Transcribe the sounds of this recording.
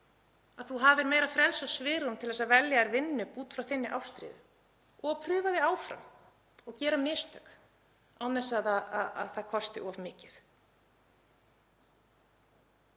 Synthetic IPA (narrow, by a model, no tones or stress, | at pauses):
aðθuɦavɪɾmeːjɾafɾɛlsasvɪːɾʏmt̪ʰɪlðɛs̬avɛljaɛɾvɪnːʏpuːt̪fɾawθɪnːɪʔawst̪ɾɪ̰ːðʏ | ɔɣpʰɾʏːvaðɪaːwfɾa̰m | ɔɣcɛːɾamɪst̪ʰœk | awnɛsːaðaaa̰ðθakʰɔst̪ɪʔɔvmɪːcɪθ